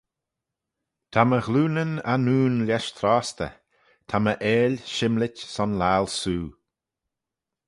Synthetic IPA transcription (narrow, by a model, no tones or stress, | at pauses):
t̪ʰaməɣluːnənanuːnlʲɛʃt̪ʰɾaːst̪ə̰ | t̪ʰaməʔeːlʲʃɪmlɪtʲsɔnlaːlsuː